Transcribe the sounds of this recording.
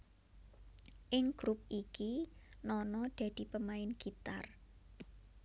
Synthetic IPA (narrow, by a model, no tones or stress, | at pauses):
ʔɪŋɡ̥ɾup̚ʔikinɔnɔɖ̪̥ä̤d̪̥i̤pəmaɪnɡ̥it̪ar